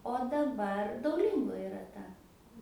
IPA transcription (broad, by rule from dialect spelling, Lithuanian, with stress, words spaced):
oː dɐˈbɐr dɐʊˈlʲɪŋɡoː ɪˈrɐ ˈtɐ